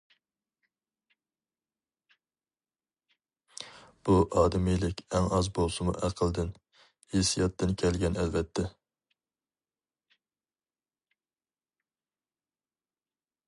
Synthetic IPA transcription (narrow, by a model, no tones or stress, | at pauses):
b̥uʔɑːd̪ɪmijlɪkʲɛŋɑzbolˠsɨmṵʔæqʰəlˠd̪ɪn | hesijɑt̪ʰːɨnkʲʰɛlɡʲɛnɛlvɛt̪ʰːɛ